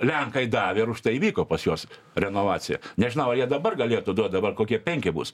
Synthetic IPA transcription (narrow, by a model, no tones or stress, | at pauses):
lʲɛŋkɐɪd̪ɑːʋʲeɪɾʊʃt̪ɐɪiʋʲiːkoːpɐsjoːs | ɾʲɛnoːʋɑːt͡sʲɪjɛ̰nʲɛʒʲɪnɐʊɐjiɛd̪ɐbɐrɡɐlʲeːt̪ʊːd̪uɔt̪̚ʲd̪ɐbɐrkoːkʲiɛpʲɛŋʲkʲɪbṵːs